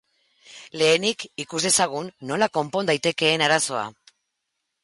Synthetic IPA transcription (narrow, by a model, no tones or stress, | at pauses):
le̞ːnikikuzðe̞saɣ̞unːo̞lako̞mpo̞nd̪ajt̪e̞ke̞ːnaɾaso̞a̰